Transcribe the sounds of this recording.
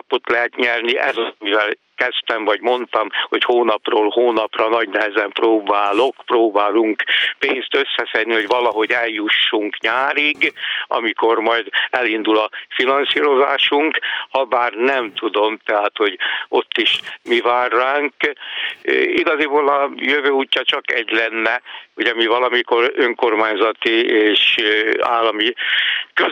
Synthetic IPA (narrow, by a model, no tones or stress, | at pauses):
ɒpot̪lɛɦɛt̪ɲɛrniʔɛzmivɛl | kɛst̪ɛmvɒɟmo̞nt̪ɒmho̞choːnɒproːlhoːnɒprɒnɒɟnɛɦɛzɛmproːbaːlo̞kproːbaːluŋkpeːnst̪ø̞sːɛsɛd̪niho̞ɟvɒlɒɦo̞ɟɛljuʃːuŋkɲaːɾiɡɒ̰miko̞rmɒjd̪ɛlind̪ulɒfinɒnsiːɾo̞zaːʃuŋkhɒbaːrnɛmt̪ud̪o̞mt̪ɛɦaːt̪ho̞ɟo̞t̪ːiʃmivaːrːaːŋk | iɡɒzibolɒjøvøːuːcːɒt͡ʃɒkɛɟlɛnːɛhoɟɒmivɒlɒmiko̞ɾøŋko̞rmaːɲzɒt̪ieːʃa̰ːlːɒmikø